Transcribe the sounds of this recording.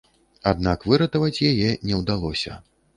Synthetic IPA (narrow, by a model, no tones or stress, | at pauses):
ad̪̚nakvɨɾɐt̪ɐvɐt͡sʲjajɛnʲɛwd̪alˠɔsʲɐ̰